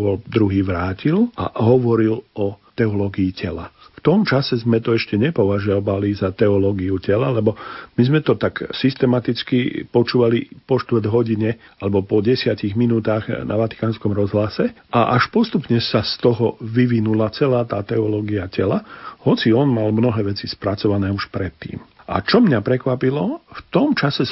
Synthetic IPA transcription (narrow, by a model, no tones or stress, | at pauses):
ɔld̪ɾuɦiːʋɾaːcilʔa̰ɦɔʋɔɾilɔt̪ɛɔlɔːɡiːcɛla̰ft̪ɔmt͡ʃasɛzmɛt̪ɔɛʃcɛɲɛpɔʋaʒaʋalizat̪ɛɔlɔɡiucɛlalɛbɔmizmɛt̪ɔt̪aksist̪ɛmat̪it͡skipɔt͡ʃuːʋalipɔʃt̪ʋrd̪ɦɔɟiɲɛ | alɛbɔpɔɟɛsɪaciɣminuːt̪aːɣnʔa̰ʋat̪i̥kaːnskɔmɾɔzɦlasɛʔaʔaʃpɔst̪upɲɛsast̪ɔɦɔʋiʋinulat͡sɛlaːt̪aːt̪ɛɔlɔːɡiacɛlahɔt͡siɔnmalmnɔɦɛːʋɛt͡sispɾat͡sɔʋanɛːuʃpɾɛt̪ːḭːmʔa̰t͡ʃɔmɲapɾɛkʋapilɔft̪ɔmt͡ʃasɛ